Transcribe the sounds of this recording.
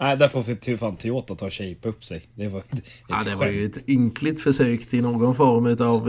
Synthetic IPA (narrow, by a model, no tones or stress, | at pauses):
næɪd̪æɾfəɾɔfɪt̪ʰɪfaːnt̪ʰːɪloːt̪ːat̪ʰːɑːɕɛɪpaɵpsɛɪd̪ɛʋɑɑ̰d̪ɛɑɾjʊɛt̪ʏŋklɪt̪fœʂøːkt̪ʰɪnoːɡɔnfɔɾmʉːt̪ɑːʋ